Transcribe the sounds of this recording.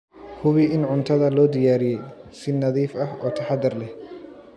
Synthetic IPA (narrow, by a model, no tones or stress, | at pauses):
hʊβɪʔɪnʕʊnt̪ʰɐðɐlɔːd̪ɪjaːɾɪjɛjsɪnːɐðiːfɐɦɔːt̪ʰɐħad̪ɐrlɛh